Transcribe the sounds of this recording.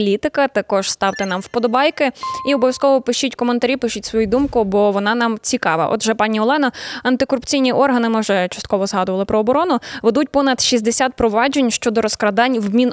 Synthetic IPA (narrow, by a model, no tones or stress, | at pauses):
lʲit̪ɪkɐt̪ɐkɔʒ̥st̪ɑwt̪ɪnɑmwpɔd̪ɔbɑjkɪiɔbɔʋʲjɐskɔʋɔpɪʃitʲkɔment̪ɐɾʲipɪʃʊtʲsʋɔjud̪umkʊbɔʋɔnɑnɑmt͡sʲikɑʋɐ̰ʔɔ̰d̪ʒɛpɑnʲiɔlˠɛnɔɐnt̪ɪkɔɾʊpt͡sʲijnʲiʔɔrɦɐnɪmɪʒɛt͡ʃɐ̥st̪kɔʋɔzɦɑd̪ʊʋɐlˠɪpɾʔɔːbɔɾɔnʊʋed̪ut̚ʲpɔnɐd̪ʃizʲd̪esʲat̪̚pɾɔʋɑd͡ʒenʲʃt͡ʃɔd̪ɔɾɔskɾɐd̪ɑnʲʋmʲin